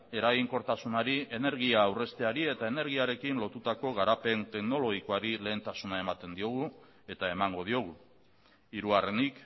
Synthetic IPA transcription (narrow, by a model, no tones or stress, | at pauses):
e̞ɾaɣiŋko̞ɾt̪asunaɾie̞ne̞ɾɣ̞iaːwre̞st̪e̞aɾie̞t̪ae̞ne̞ɾɣ̞iaɾe̞kinlo̞t̪ut̪ako̞ɣ̞aɾape̞nt̪e̞kno̞lo̞ɣiko̞aɾile̞ːnt̪asunae̞mat̪e̞nd̪io̞ɣ̞u | e̞t̪ae̞maŋɡo̞ð̞io̞ɣ̞u | iɾuare̞nik